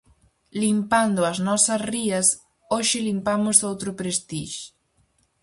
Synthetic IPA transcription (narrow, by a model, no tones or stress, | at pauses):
limpand̪ʊɐznɔsɐsriɐs | oʃɪlimpamʊzðowt̪ɾʊpɾest̪iʃ